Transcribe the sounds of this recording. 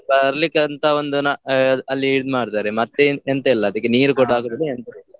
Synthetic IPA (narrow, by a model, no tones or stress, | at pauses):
bɐɾlikːɐnt̪ʰɐond̪unɐɐlːiːɽid̪umaːɽt̪aːɾemɐt̪ːeent̪ɐilːɐːd̪ɐkːeniːɾukoɽaːkud̪ɐlːient̪ɐilːɐ